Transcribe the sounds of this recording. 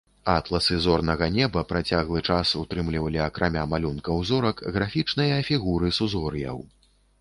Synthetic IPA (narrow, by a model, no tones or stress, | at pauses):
at̪lˠɐsɨzɔrnɐɣɐnʲɛbɐpɾat͡sʲaɣlˠɨt͡ʂasut̪ɾɨmlʲivɐlʲiɐkɾʔamʲamalʲunkɐwzɔɾɐkɣɾafʲit͡ʂnɐjɐfʲiɣuɾɨsuzɔɾjɐ̰w